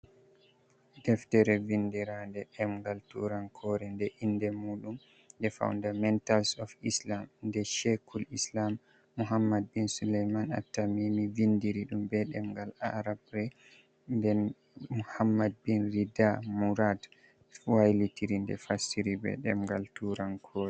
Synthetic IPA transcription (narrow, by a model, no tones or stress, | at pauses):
dɛftɛɾɛvindiɾandɛɗɛmŋɡaltṵɾankʰɔɾɛndɛʔindɛmuːɗum | dɛfa̰wndamɛntalsɔfislamndɛʃɛkʰulislamː | uɦamːad̚binsulɛjmana̰tːamimivindiɾiɗumbɛɗɛmŋɡala̰ɾabɾɛ | ndɛn | uhamːad̚binɾidamuɾad | wajlitiɾindɛ̰fasiɾibɛ̰ɗɛmɡaltuɾankʰɔɾɛ